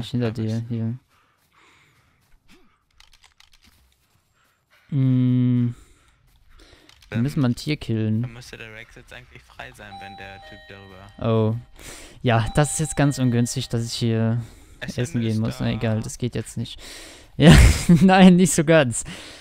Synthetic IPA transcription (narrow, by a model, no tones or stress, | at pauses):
ɪçhɪntɐdiːɐhiːɐ | ʔm̩ | v̥iːɐmʏsn̩maɐntʰiːɐkʰɪlənmʏstədʁɛkɛʔaɪɡŋlɪçfʁ̥aɪzaɪnvɛndeːɐtʰyːp̚d̥aʁyːbɐʔoː | jaːd̥asɪstjɛt͡stɡ̥ant͡sʔʊnɡʏnstɪçd̥asɪçhiːɐ | ʔʔɛsn̩ɡeːənmʊsna̰ʔeɡaːld̥asɡ̥eːtjɛt͡stnɪçt | jaːnaɪnːɪçtz̥oːɡant͡s